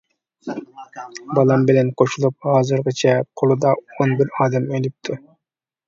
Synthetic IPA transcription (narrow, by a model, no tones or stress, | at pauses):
bɑlˠɑmbɪlɛnqʰoʃulˠup̚hɑːzɨɾʁɨt͡ʃʰɛqʰolˠud̪ɑonbiɾɑːd̪ɛmølyp̚t̪ʰu